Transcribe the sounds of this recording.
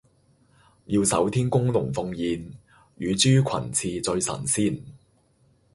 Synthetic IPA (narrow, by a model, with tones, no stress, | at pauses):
jiː˧wsɐ̰˨˥wt̪ʰiː˥nkʊ˥ŋlʊ˨˩ŋfʊ˧ŋjiː˧n | jyː˨˧t͡syː˥kʷʰɐ̰˨˩nt͡sʰiː˧t͡sɵ˧ɥsɐ̰˨˩nsiː˥˩n